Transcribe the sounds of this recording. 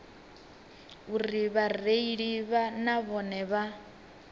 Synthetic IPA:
uɾiβareiɺiβanaβɔnɛβa

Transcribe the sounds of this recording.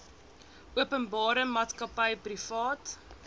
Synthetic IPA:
uəpənbɑːɾəmɑːtskɐpəjprifɑːt

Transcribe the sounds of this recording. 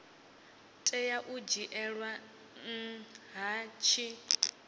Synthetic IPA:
tʼɛjaʔud͡ʒiʔɛɺwa | ŋ̩ɦat͡ʃʰi

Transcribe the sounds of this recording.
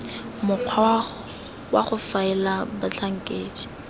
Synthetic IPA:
mʊq͡χʰwa | waχʊfaɪlabat͡ɬʰaŋ̩kʼeːd͡ʒi̥

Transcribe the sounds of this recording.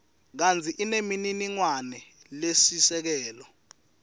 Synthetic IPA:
k̬and͡zʰʱiʔinemininiŋwanɛ | lesisɛk̬ɛːlɔ

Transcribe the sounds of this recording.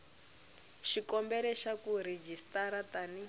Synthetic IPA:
ʃikɔmbɛlɛʃakuɾed͡ʒistaɾatani

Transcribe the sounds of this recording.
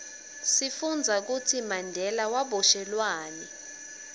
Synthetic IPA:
sifund͡zʱak̬utʰimandʱɛlawaɓɔʃɛlwaːnɛ

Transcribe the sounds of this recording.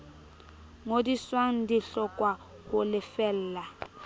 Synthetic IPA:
ŋodiswaŋ̩diɬɔkʼwa | ɣʊlɪfɛl̩ːla

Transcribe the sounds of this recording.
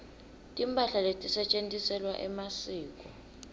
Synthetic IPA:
tʼimpʼaɬaletʼisɛt͡ʃʼentʼisɛlwaʔɛmasiːkʼɔ

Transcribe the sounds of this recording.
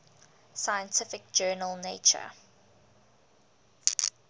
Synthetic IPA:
saɪə̃ntʰɪfɪk̚d͡ʒɜːnəlˠneːt͡ʃə̰

